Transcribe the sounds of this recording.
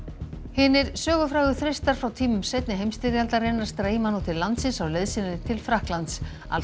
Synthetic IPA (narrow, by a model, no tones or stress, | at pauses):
hɪːnɪɾ̥sœːɣʏfɾaːɣʏθɾest̪aɾ̥fɾawt̪ʰiːmʏmsejt̪nɪɦejmst̪ɪɾjalt̪aɾejnaɾ̥st̪ɾeːjmanɔt̪ʰɪllːant̪sɪnsawleðsɪnɪnɪt̪ʰɪlfɾahklant̪s | a̰l